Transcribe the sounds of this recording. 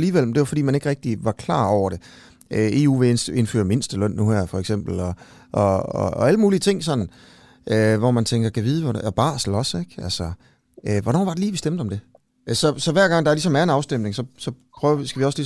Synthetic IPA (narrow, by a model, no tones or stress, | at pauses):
liːʋel̰m̩d̥e̝ʋɑfɒd̥ḭːmæne̝ɡ̥ʁɛɡ̥̚d̥iʋɑ̈kʰlɑ̰̈ːɒʊɐɾ̥e̝ | øe̝̰ːṵːʋe̝nse̝nfø̰ːɐme̝nsd̥əlœn̰ːuhæɐ̰fɒ̽eɡ̥sem̰b̥l̩ɒ̽ | ʔɒɒːæləmuːliət͡sʰe̝ŋ̰sɒ̽n̰n̩ | ʔøʋɒmænt͡sʰeŋɡ̥ɐkʰæʋiːð̞̩ˠəʋɒb̥ɑ̰̈ːsl̩ɒ̽seɡ̥ælsɐ | øʋɒnɒ̰ːʋɑ̈ɾ̥e̝liːʋisd̥emd̥̩ˠɒ̽md̥e̝ | sɒ̽sɒ̽ʋæɐɡ̥ɑ̈ŋ̰d̥ɑlis̬ɒ̽mæɐe̝nɑ̈ʊsd̥em̰ne̝ŋsɒ̽sɒ̽pʰʁœisɡ̥æʋiɒ̽slis